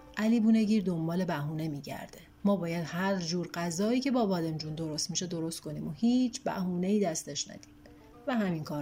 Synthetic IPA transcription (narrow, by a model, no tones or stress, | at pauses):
ʔæliːbuːne̞ɟiːɾd̪o̞mbɒːle̞bæɦuːne̞miːɟæ̰ɾd̪e̞ | mɒːbɒːjæd̪hæɾd͡ʒuːɾɢæzɒːiːcʰe̞bɒːbɒːd̪e̞md͡ʒuːnd̪o̞ɾo̞st̪miːʃe̞d̪o̞ɾo̞st̪kʰo̞niːmohiːt͡ʃʰbæ̰huːne̞iːd̪æst̪e̞ʃnæ̰d̪̥i̥ːm | væhæminkʰɒːɾ